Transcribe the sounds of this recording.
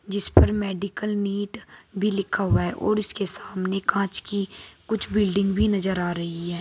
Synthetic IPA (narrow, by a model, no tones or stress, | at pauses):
d͡ʒɪspəɾmɛːɖɪkəlniːʈbʱilɪkʰːaɦʊaɦɛʔɔːɾɪskesaːmnekãːt͡ʃkikʊt͡ʃʰbɪlɖɪ̃ŋɡbʱinɐzəɾaːɾɐɦiɦɛː